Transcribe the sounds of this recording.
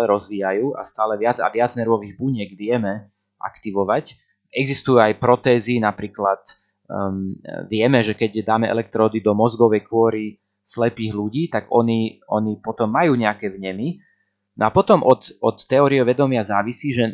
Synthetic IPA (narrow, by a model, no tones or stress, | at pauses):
ɛɾɔzʋiːjajuːʔa̰st̪aːlɛʋɪad͡za̰ʋɪad͡znɛɾʋɔʋiːɣbuɲɪɛɡʋɪɛmɛ | ʔa̰kt̪iʋɔʋac | ɛɡzist̪ujuajpɾɔt̪ɛːzinapɾiːklat̪ | ʋɪɛmɛʒɛkɛcd̪aːmɛɛ̰lɛk̚t̪ɾɔːd̪id̪ɔmɔzɡɔʋɛjkʊɔɾi | slɛpiːɣluɟiːt̪aɡɔniɔnipɔt̪ɔmːajuːɲɛakɛvɲɛmi | nɔapɔt̪ɔmʔɔt̪ɔt̪ːɛɔːɾiɛʋɛd̪ɔmɪazaːʋisiːʒɛ